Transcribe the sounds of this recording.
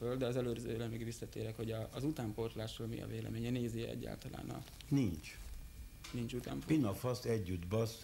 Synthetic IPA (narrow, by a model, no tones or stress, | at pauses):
øld̪ɛɒzɛløːɾzø̰ːlɛmyɡvisːɒt̪eːɾɛkho̞ɟɒːzut̪aːmpo̞rt̪laːʃolmḭɒ̰veːlɛ̰meːɲɛneːzeːɛ̰ɟːa̰ːlt̪ɒla̰ːnɒ̰ | nint͡ʃ | nint͡ʃut̪a̰ːmppinɒfɒsɛɟːud̪bɒs